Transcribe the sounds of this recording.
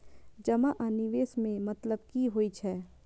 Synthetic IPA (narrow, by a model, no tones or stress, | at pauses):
d͡ʒɐmaʔaniʋeːsmẽmɐt̪ləbkiɦoːit͡ʃʰɛː